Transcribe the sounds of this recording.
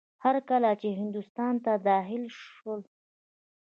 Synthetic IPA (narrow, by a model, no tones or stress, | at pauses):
haɾkalat͡ʃeɦɪnd̪ʊst̪ɑnt̪ad̪ɑxɪlʃəl